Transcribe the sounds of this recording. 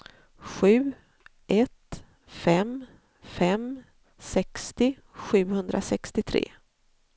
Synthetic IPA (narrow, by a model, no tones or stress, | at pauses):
ɧʉ̟ː | ʔɛt̪ | fɛm | fɛm | sɛkst̪ɪ | ɧʉ̟ːhɵnd̪ɾʔasɛkst̪ɪt̪ʰɾḛː